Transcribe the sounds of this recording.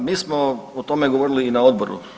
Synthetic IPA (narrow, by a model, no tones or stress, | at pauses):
miːsmoot̪o̞meɡoʋoɾiliːnaod̪̚boɾṵ